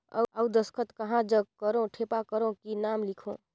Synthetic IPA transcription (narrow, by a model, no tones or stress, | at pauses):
ə̰əwd̪əskʰət̪kəɦãd͡ʒəkəɾõʈʰepakəɾõkinamlikʰõ̰